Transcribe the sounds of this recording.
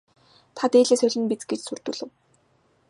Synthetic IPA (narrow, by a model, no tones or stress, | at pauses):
t̪ʰat̪eːɮeːsœɮʲɘ̆npit͡sɡet͡ɕsur̥t̪uːɮɘ̆w